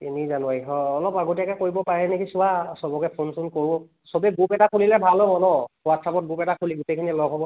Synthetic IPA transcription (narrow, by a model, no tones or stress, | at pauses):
tinizanuaiɦɔːlɔpaɡotijakɛkoɹibɔpaɹɛnekʰisʊwasɔbɔkɛpʰonsunkoɹbɔ | sɔbɛɡupɛtakʰulilɛbʱalɔbɔnɔwatsapɔt̚ɡupɛtakʰuliɡutekʰinilɔɡʱɦɔbɔ